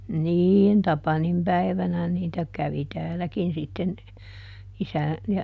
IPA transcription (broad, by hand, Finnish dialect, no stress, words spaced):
niːn tɑpɑnim pæi̯ʋænæ niːtæ kæʋi tæːlækin sitːen isæn jɑ